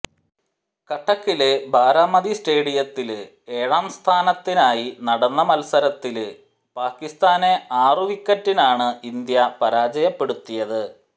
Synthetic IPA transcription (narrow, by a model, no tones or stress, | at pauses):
kɐʈʰːɐkːilebʱaːɾaːmɐd̪isʈe̞ːɽijɐt̪ːil | e̞ːɻaːmst̪ʰaːnɐt̪ːinaːjinɐɽɐnːɐmɐlsɐɾɐt̪ːil | paːkːist̪aːneaːruʋikʲːɐtːinaːɳɨind̪jɐpɐɾaːd͡ʑɐjɐpːe̞ɽut̪ːijɐðɨ